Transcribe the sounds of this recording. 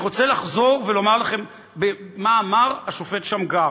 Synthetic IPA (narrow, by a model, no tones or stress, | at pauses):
ʁo̞t͡selaχzo̞ʁvelo̞maʁlaχe̞m | bemaːmaʁaʃo̞fetʃamɡa